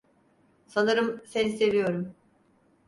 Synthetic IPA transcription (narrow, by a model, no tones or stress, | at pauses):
sanɯɾɯmsɛnse̞vijo̞ɾum